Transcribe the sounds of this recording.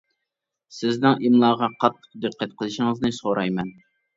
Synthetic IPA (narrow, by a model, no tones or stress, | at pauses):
sɪznɪŋʔimlˠɑːʁɑqʰɑt̪ʰːə̥q̚d̪ɨqʰːæt̪qʰəlˠɨʃɪŋɨznɨsoɾʔɑjmɛn